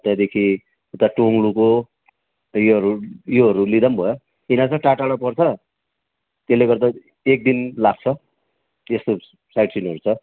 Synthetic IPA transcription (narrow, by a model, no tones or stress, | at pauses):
t̪jãd̪ekʰi | ut̪aʈoŋluko | joɦʌɾujoɦʌɾulid̪ʌmbʱʌjo | inat͡sʌ̃ʈaʈaɽ̃ʌpʌrt͡sʰʌ | t̪eleɡʌrd̪a | ek̚d̪inlak̚t͡sʰʌ | est̪o | sajʈsinʌɾut͡sʰʌ